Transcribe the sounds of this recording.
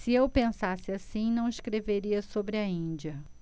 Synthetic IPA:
sɪewpẽsasɪasĩnɐ̃w̃iʃkɾeveɾiɐsobɾɪɐĩd͡ʒiɐ

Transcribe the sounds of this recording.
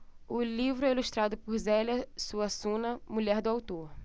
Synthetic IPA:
ʊlivɾʊɛiluʃt̪ɾad̪ʊpʊɾzɛlɐsuɐsũnɐmuʎɛɾd̪ʊawt̪oɾ

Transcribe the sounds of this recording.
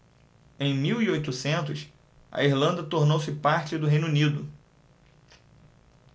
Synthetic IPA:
ẽj̃miwiojt̪usẽnt̪ʊs | ɐ̰iɾlɐ̃nd̪ɐt̪oɾnowsɪpaɾt͡ʃɪd̪ʊɦej̃nunid̪ʊ

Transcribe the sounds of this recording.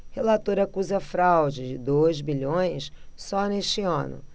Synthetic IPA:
helat̪oɾɐakuzɐfɾawd͡ʒɪd͡ʒɪd̪ojzbiʎõj̃ssɔneʃt͡ʃɪɐ̰̃nʊ̰

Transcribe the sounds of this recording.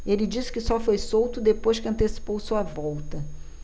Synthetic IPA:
elɪd͡ʒisɪ̥kɪsɔfojsowt̪ʊd̪epojʃkɪɐ̃nt̪esi̥powsuɐvɔwt̪ɐ

